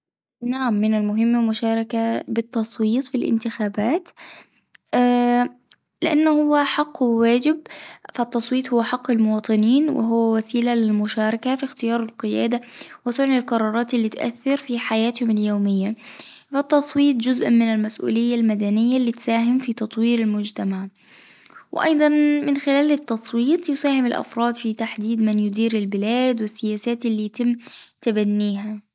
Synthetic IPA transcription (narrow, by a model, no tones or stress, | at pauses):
naʕamːɪnalmʊɦɪmːmʊʃɑːɾˤɑkabɪt̪ːɑsˤwiːt̪ˤfilʔɪ̰nt̪ɪxaːbaːt̪ | lɪʔanːhʊwːaħɑqːwaːd͡ʒɪb̚fat̪ːɑsˤwiːt̪ˤhʊwːaħɑqːɪlmʊwɑːt̪ˤɨniːnwʔɪ̰ɦʊwːawasiːlalɪlmʊʃɑːɾˤɑkafixt̪ɪjɑːɾˤɪlqɨja̰ːd̪awɪsʊʕnɪlqɑɾˤːɑːɾˤɑːt̪ʔɪlːiːt̪ʔa̰θːɪɾfiːħajaːt̪hʊmaljoːmɪjːa | fɪt̪ːɑsˤwiːt̪̚ˤd͡ʒʊzʔmɪnɪlmasʔṵːlɪjːalmad̪anɪjːalːiːt̪saːɦɪmfit̪ɑt̪ˤwiːɾɪlmʊd͡ʒt̪amaʕ | wɪ̰ʔɑ̰jd̪ˤɑnmɪnxɪlaːlɪt̪ːɑsˤwiːt̪ˤjʊsaːhɪmɪlʔa̰fɾˤɑːd̪fit̪aħd̪iːd̪manjʊd̪iːɾɪlbɪlaːd̪wɪsːɪjaːsaːt̪ʔɪlːiːjat̪ɪmːt̪abanːiːɦa